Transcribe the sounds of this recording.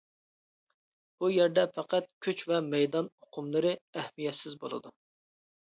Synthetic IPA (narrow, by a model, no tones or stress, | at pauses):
b̥ujɛɾd̪ɛpʰæqæt̪̚kʲʰyt͡ʃvɛmɛjd̪ɑnoqʰʊmlˠɨɾɨɛhmijɛt̪sɪzbo̰lˠɨ̰d̪u